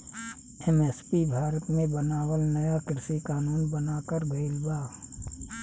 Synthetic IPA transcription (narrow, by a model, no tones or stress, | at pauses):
ɛmɛːspibʱaːɾət̪mẽbənaːwəlnɐjakɪɾɪsikaːnuːnbənaːkəɾɡəɪlbaː